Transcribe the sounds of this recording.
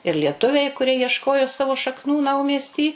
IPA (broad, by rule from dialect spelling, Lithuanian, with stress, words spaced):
ɪr lʲiɛˈtʊʋʲɛɪ kʊˈrʲiɛ jiɛʃˈkoːjoː ˈsɑːʋoː ʃɐkˈnuː ˈnɐʊmʲiɛsʲtʲiː